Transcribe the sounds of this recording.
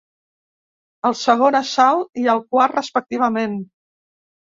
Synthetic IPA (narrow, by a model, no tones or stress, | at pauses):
əlˠsəɣ̞onəsalˠiəlˠkwarrəspək̚t̪iβ̞əmen